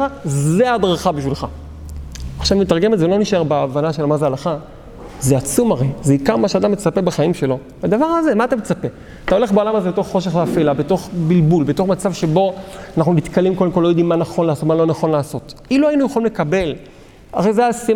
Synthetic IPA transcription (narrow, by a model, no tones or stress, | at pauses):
azead̪ʁaχabiʃvilχa̰ | aχʃavimet̪aʁɡemetzelo̞niʃe̞baavanaʃelmazealaχa | zeat͡sumaʁe̞jzeikaʁmaʃead̪amːet͡sapebaχaimʃe̞lo̞ | ad̪avaʁhaze̞maat̪amet͡sape̞ | at̪ao̞le̞χbaolamazeeto̞χːo̞ʃ̬eχveafelabeto̞χbilbulbet̪o̞χmat͡savʃe̞bo̞anaχnunit̪kalimko̞d̪emkolojod̪imːanaχo̞nlaːso̞t̪malo̞naχo̞nlaːso̞t̪iluainujeχalimlekabe̞l | aχejzeajasi